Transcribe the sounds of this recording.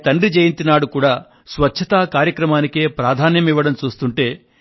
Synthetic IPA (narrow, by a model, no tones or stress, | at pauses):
t̪ɐɳɖrid͡ʒejint̪inaːɽukuːɽaː | sʋɐtːʃʰɐt̪aːkaːɾjɐkɾɐmaːnikeːpɾaːd̪ʱaːnjɐmiʋːɐɽɐmt͡ʃuːst̪uɳʈe̞ː